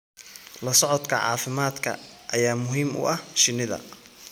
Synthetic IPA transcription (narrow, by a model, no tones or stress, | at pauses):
lɐsɔʕɔd̪kʰɐʕɑ̰ːfɪmaːd̪kʰɐ̰ | ʔɐjaːmʊɦiːmʊ̰ʔɐhʃɪnːɪðɐ̰